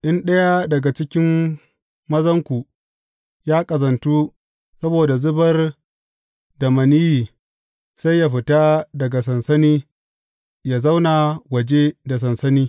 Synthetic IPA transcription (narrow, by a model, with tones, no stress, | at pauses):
ʔɪ˦nɗɐ˦ja˦dɐ˨ɡa˨t͡ʃɪ˦kʲɪ˦m | mɐ˦zɐ˦ŋkʷu˨ | jaː˦kʼɐ˨zɐ˨ntu˦ | sɐ˦boː˨da˨zʊ˦bɐ˦r | da˨mɐ˨niː˦jiː˨ | sa˦jːa˨ɸɪ˨ta˦dɐ˨ɡa˨sɐ˨nsɐ˦niː˦ | jaː˨za˦wna˨wɐ˨d͡ʒe˦da˨s̬ɐ˨nsɐ˦niː˦